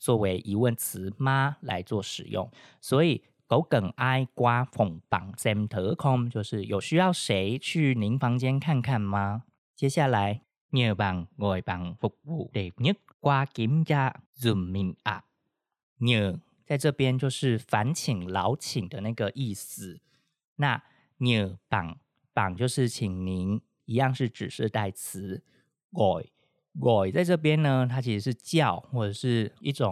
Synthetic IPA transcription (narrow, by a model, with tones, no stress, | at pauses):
t͡swɔ˥˩we˧˥ɪʔi˧˥wə˥˩nt͡sʰɹ̩˧˥˦ma˥la̰˧˥ɪt͡swɔ˥˩ʂɻ̩˨˩jʊ̰˥˩ŋ | swɔ˧˥i˨˩ | ko˧˥ʊkə˨˩ŋa˥ɪkwa˥fʊ˨˩ŋpɑ̰˨˩ŋsɛ˥mt̪ʰɤ˧˥kʰʊ˥ŋt͡ɕjo˥˧ʊʂɻ̩˥˩jo˨˩ʊɕy˥jɑ˥˩ʊʂe˧˥ɪt͡ɕʰy˥˩ni˧˥ŋfɑ˧˥ŋt͡ɕjɛ˥nkʰa˥˧nkʰa˥˩nma˧˦ | t͡ɕjɛ˥ɕja˥˩la˧˦ɪ | nə˧˩ba˨˩ŋɡɔ˧˩pa˥˧ŋfu˥˩k̚u˥˩t̪e˨˩nə˥ | kwa˥ki˧˥mja˥˩zu˨˩mmi˧˩ŋa̰˧˩ | nə˨˩ | t͡sa˥˧ɪʈ͡ʂɤ˥˧pjɛ˥nt͡ɕjo˥˧ʊʂɻ̩˥˩fa˧˥nt͡ɕʰi˨˩ŋlɑ˧˥ʊt͡ɕʰi˨˩ŋd̪ə˦na˥˩ɪɡə˩ʔi˥˩sɹ̩˨˩ | na˥˩ | njə˨˩pa̰˨˩ŋ | pa̰˨˩ŋt͡ɕjo˥˧ʊʂɻ̩˥˩t͡ɕʰi˨˩ŋni˧˥n | i˧˥jɑ˥˧ŋʂɻ̩˥˩ʈ͡ʂɻ̩˨˩ʂɻ̩˥˧t̪a˥˩ɪt͡sʰɹ̩˧˥ | ɡɔ˨˩ɪ | ɡɔ˨˩ɪt͡sa˥˧ɪʈ͡ʂɤ˥˩p̬jɛ˥nnə˧t̪ʰa˥t͡ɕʰi˧˥ʂɻ̩˧˥ʂɻ̩˥˧t͡ɕjɑ˥˩ʊxwɔ˥˩ʈ͡ʂə˨˩ʂɻ̩˥˧ḭ˥˩ʈ͡ʂʊ˨˩ŋ